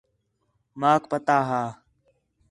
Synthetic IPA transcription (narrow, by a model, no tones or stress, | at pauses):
maːkpət̪aːɦaː